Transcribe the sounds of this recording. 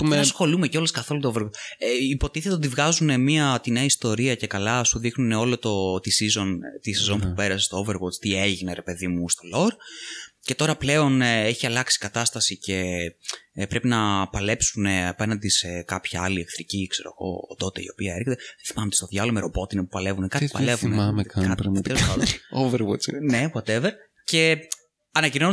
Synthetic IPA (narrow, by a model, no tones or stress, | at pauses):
pusxo̞lumeco̞leskɐθo̞lut̪ooveɾɣoipo̞t̪iθet̪ot̪ivɣɐzune̞miɐt̪ineɐist̪o̞ɾiɐce̞kɐlɐsuðixnune̞o̞lo̞t̪o̞t̪isizo̞nt̪isezo̞npupe̞ɾɐsest̪ooveɾɣost̪ieʝineɾe̞pe̞ðimust̪o̞lo̞ɾce̞t̪o̞ɾɐple̞o̞neçiɐlɐksi̥kɐt̪ɐst̪ɐsice̞ | pɾe̞pinɐpɐle̞psune̞ɐpe̞nɐnd̪isekɐpçɐɐlie̞kθɾicikse̞ɾo̞̰ɣo̞̰ːt̪o̞t̪e̞ḭo̞piɐeɾçet̪eeθi̥mɐmet̪e̥st̪o̞ðʝɐlomeɾopo̞t̪inepupɐle̞vunekɐt̪ipɐlevuneamekɐkɐt̪ɾɐmɐt̪ɐnoveɾwot͡snepwɐt̪eveɾ | ce̞ | ɐnɐcino̞n